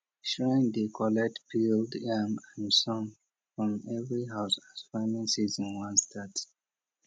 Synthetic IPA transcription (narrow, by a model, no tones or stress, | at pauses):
ʃãɪ̃ndekʰɔlɛk̚tpʰildamãnsɔ̃m | fɹɔ̃mɛvɹiɦaʊsaz̥faɪmĩnsizɔ̃nwãnstʰat